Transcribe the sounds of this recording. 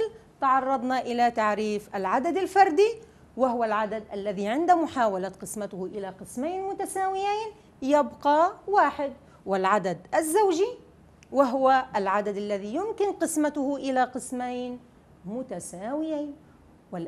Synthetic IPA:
lt̪ɑʕɑrˤːɑd̪ˤnɑʔɪlat̪aʕɾiːfʔalʕad̪ad̪alfɑɾˤd̪i | wɪɦʊwalʕad̪ad̪ʔalːaðiʕɪnd̪amʊħaːwalat̪qɨsmat̪ʊhʔɪlaqɨsmajnmʊt̪asaːwɪjaːn | jabqɑwaːħɪd̪ | wɪlʕad̪ad̪ʔazːawʒi | wɪɦʊwaʔalʕad̪ad̪ʔalːaðijʊmkɪnqɨsmat̪ʊhʊʔɪlaqɨsmajn | mʊt̪asaːwɪjaːn | wɪl

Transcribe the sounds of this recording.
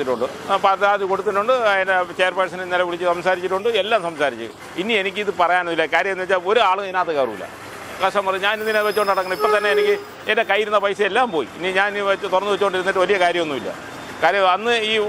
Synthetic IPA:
iʈːuɳɖɨ | pɐt̪ːaːðiko̞ɽut̪ːinʈːuɳɖɨindet͡ɕejrpɐs̬ɐnenelɐʋiɭit͡ɕːɨsɐmsaːɾit͡ɕːiʈːuɳɖɨelːaːmsɐmsaːɾit͡ɕːɨ̰ | inie̞nikʲːɨiðɨpɐrɐjaːnonːʋilːɐkaːɾjɐmenːʋet͡ɕːaːo̞ɾuaːɭɨenaːt̪ːekaːrumḭlːɐ̰ | kɐʂʈɐmpɐrɐɲɲaːnind̪ineʋet͡ɕːoːɳɖnɐɽɐkːɐɳɐmipːot̪ɐnːe̞enikʲːɨ | endekɐjiɾunːɐpɐjsɐelːaːmpo̞ːjḭniɲaːnt̪urɐnːɨʋet͡ɕːoːɳɖiɾunːiʈːɨʋɐlijɐkaːɾjɐmonːumilːɐ̰ | kaːɾjɐɐnːɨiː

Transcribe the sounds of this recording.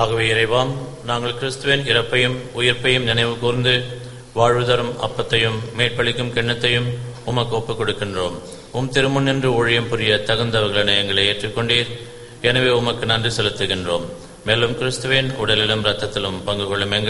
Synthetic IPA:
aɣɐʋeːɪɾɐɪʋaːm | naːŋɡɐɭkɪɾɯst̪ɯʋeːnɪɾɐpːɐjɯmʊjɪɾpɐjɯmnɪnɐɪʋɯkuːɾnd̪ɯ | ʋaːɻʋɯðɐɾɯmɐ̰pːɐt̪ːɐjɯmːeːʈ̚pɐɭɪkːɯmkɛɳːɐt̪ːɐjɯmʊmɐkːɯoːpːɯkːɔɽɯkːɪndroːm | ʊmt̪ɪɾɯmʊnːɪndrɯɔɻɪjɐmpʊɾɪjɐt̪ɐɣɯnd̪ɐʋɐɾɣɐɭɐnɛjɐŋɡɐɭɐɪeːʈrɯkːɔɳɖiːɾ | ɛnɐʋeːʊmɐkːɯnɐndrisɛlɯt̪ːɯɣɪndroːmː | eːlɯmkɪɾɯst̪ɯʋeːnʊɽɐlɪlɐmɾɐt̪ːɐt̪ːɪlɯmpɐŋɡɯɣɔɭɯmɛŋɡɐ

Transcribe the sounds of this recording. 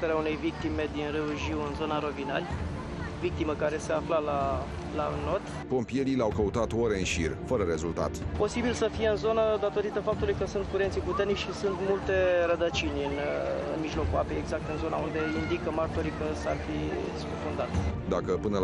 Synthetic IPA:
t̪eɾeaune̞jvik̚t̪ime̞d̪inreuʒiwɨnzo̞naɾo̞vinalʲ | vik̚t̪iməkaɾe̞se̞aflala | lano̞t̪ | po̞mpije̞ɾileawkəut̪at̪oɾeɨnʃḭrfəɾəɾe̞zult̪a̰t̪po̞sibilsəfije̞ɨnzo̞nəd̪at̪o̞ɾit̪əfap̚t̪ulujkəsunt̪̚kuɾe̞nt̪siput̪e̞rnit͡ʃʃisunt̪mult̪e̞ɾəd̪ət͡ʃinʲɨnɨnmiʒlo̞kuapejeɡzak̚t̪ɨnzo̞naund̪e̞ind̪ikəmart̪oɾikəsarfi | sfufund̪at̪sʲd̪akəpɨnə

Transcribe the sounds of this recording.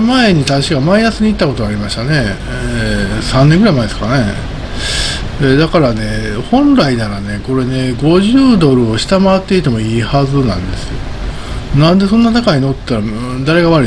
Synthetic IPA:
mae̞ɲ̟it̪aɕiɡamainasɨɲ̟it̪ːako̞t̪oaɾʲimaɕi̥t̪ane̞ | esãnːẽ̞ŋɡɯɾaimaed̪e̞sɨka̰ane | ed̪akaɾane̞hõ̞nɾaid̪aɾane̞ko̞ɾe̞ne̞ɡo̞ʑɨːd̪o̞ɾɯ̟o̞ɕi̥t̪amaβat̪ːe̞it̪e̞mo̞iːhazɨnã̰nd̪e̞sɨjo̞̰ | nãnd̪e̞sõ̞nːat̪akaɲinot̪t̪ːaɾa | d̪aɾe̞ɡaβaɾɯ

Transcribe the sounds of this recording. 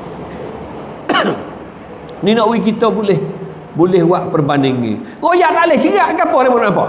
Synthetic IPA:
ninɔʔwik̬it̪ɔbolɛh | bolɛhwaʔpərbanɪŋḭ | kojaʔt̪alehsiaʔɡapɔɾemɔnnampɔʔ

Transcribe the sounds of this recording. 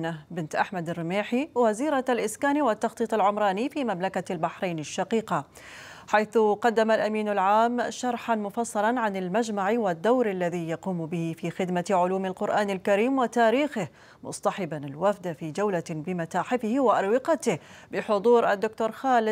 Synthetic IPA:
nabɪnt̪ʔaħmad̪ɪrːɪmeːħiwaziːɾaalʔɪskaːniwɪt̪ːɑxt̪ˤiːt̪ˤɪlʕʊmɾˤɑːnifiːmamlakalbaħɾejnɪʃːɑqiːqɑ | ħajθʊqɑd̪ːamalʔamiːnalʕaːmʃɑɾˤħanmʊfɑsˤːɑlɑnʕanɪlmad͡ʒmaʕiwɪd̪ːawɾʔalːaðijɑquːmbɪhɪfixɪd̪maʕʊluːmalqʊɾʔaːnɪlkaɾiːmwɪt̪aːɾiːxɪh | mʊ̰sˤt̪ɑħɪbanɪlwafd̪afid͡ʒawlabɪmat̪aːħɪfɪhiwɪʔɑɾwɪqɑt̪ɪhbɪħʊd̪ˤuːɾʔad̪ːʊkt̪oːɾˤxaːlɪ

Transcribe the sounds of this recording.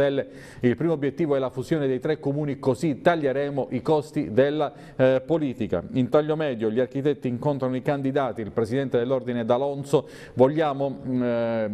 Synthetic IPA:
ɛlːe | ilpɾiːmoːbjet̪ːiːvoɛlafuzjoːned̪ejt̪ɾekːomuːnikozit̪aʎːeɾɛːmoʔikɔst̪id̪elːa | poliːt̪ika̰int̪aʎːomɛːd̪joʎiark̟it̪ɛt̪ːiːŋkont̪ɾanoikand̪id̪aːt̪iːlpɾesid̪ɛnt̪ed̪elːord̪ined̪alɔnso | voʎːaːmo

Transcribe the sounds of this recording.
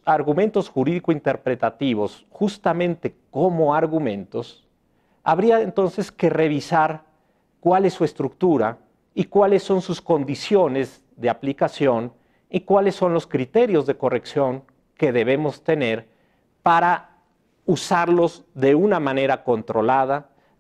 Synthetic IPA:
aɾɣumẽ̞nt̪o̞sxuɾiðikoint̪e̞ɾpɾe̞t̪at̪iβ̞o̞s | xust̪amẽnt̪e̞ko̞mo̞aɾɣumẽ̞nt̪o̞s | a̰βɾiaent̪o̞nse̞ske̞re̞β̞isaɾ | kwalesːue̞st̪ɾuk̚t̪uɾa | ikwalesːo̞nsusko̞nd̪isjo̞ne̞z | ðe̞aplikasjo̞n | ikwale̞sːo̞nlo̞skɾit̪e̞ɾjo̞zðe̞ko̞re̞ksjo̞ŋ | ke̞ðe̞β̞e̞mo̞st̪e̞ne̞ɾ | paɾa | usaɾlo̞zðe̞unamãne̞ɾako̞nt̪ɾo̞lað̞a

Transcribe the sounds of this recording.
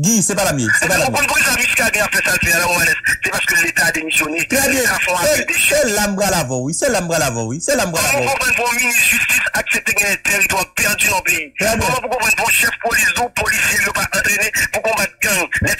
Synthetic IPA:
ɡisɛpalamjɛsɛpalaɔ̃ɔ̃npuisamĩskaɡɛ̃afɛsalfɛalɔ̃ɔ̃alɛssɛpasə̥kəlet̪aːd̪emisjonet̪ʁɛbjɛ̃afɔ̃asɛd̪eʃɛlambʁalavɔ̃wisɛlambʁalavɔ̃wisɛlambʁalãkɔ̃pɑ̃npɔ̃minisʒyst̪isaksɛt̪eɡɛ̃ɛ̃t̪ɛmd̪wãpɛʁd̪ynɔ̃peiʁɛbjɔ̃mɔ̃pukɔ̃pɑ̃npɔ̃ʃɛfpolisupolisjelopaʔɑ̃t̪ʁenepukɔ̃vat̪̚ɡãŋlɛ

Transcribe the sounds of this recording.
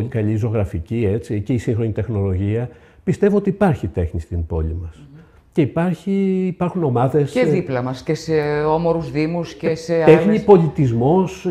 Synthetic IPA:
olikɐliːzo̞ɣɾɐficiet͡sice̞isiŋxɾo̞ɲit̪e̞xno̞lo̞ʝiɐ | pist̪evuo̞t̪iːpɐɾçit̪e̞xnist̪imbo̞̰limɐs | ceipɐɾçiːpɐɾxuno̞mɐðe̞seðiplɐmɐsceseomoɾuzðimusceseexɲipo̞lit̪izmo̞s

